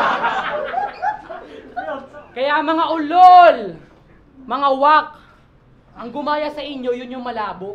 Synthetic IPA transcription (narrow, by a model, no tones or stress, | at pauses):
kɐjaʔɐŋmɐŋaʔʊlol | mɐŋawak̚ | ʔɐŋɡʊmaːjɐsɐʔɪɲo̞jʊnjʊŋmɐlaːboʔ